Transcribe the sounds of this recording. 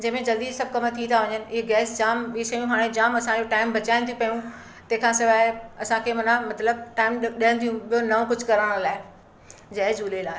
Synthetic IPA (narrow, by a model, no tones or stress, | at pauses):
d͡ʑɐ̃ɦmẽd͡ʑɐld̪isɐb̚ʱkɐmt̪ʰĩt̪ʰaʋɐɲənɪ̆ʔɪeɡɛːsd͡ʑaːmɓisɐjũɦaːɽ̃ed͡ʑaːmɐsãd͡ʑoʈaːɪmbʱɐt͡ɕaːɪnt̪ʰiũpɐjũ | t̪ɐ̃ɦɪ̃kʰãːsɪʋaːɐsãkʰemɐnamɐt̪ləb̚ʈaːɪmɗiɦə̃nd̪ʰijũɓijonɐʋõkʊd͡ʑʱkɐɾəɽ̃laːɪ | d͡ʑɐd͡ʑuːlelaːɪ